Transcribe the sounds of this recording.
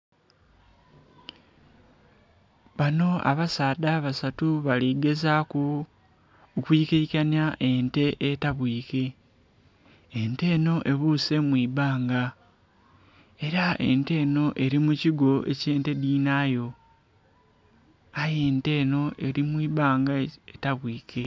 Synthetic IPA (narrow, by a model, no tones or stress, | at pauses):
βano̞a̰βasaːdaβasatuβaliɡe̞zakuː | kwiːkecanjaʔe̞nte̞ʔetaβwiːke̞ | nte̞ːno̞ʔe̞βuse̞mwiːβaːŋɡa | e̞ɾaʔe̞̰nte̞ːno̞ʔe̞ɾimuciɡo̞e̞̰ce̞ːnte̞diːnajo̞ | aje̞ːnte̞ːno̞ʔe̞ɾimwiːβaːŋɡaetaβwiːkʰe̞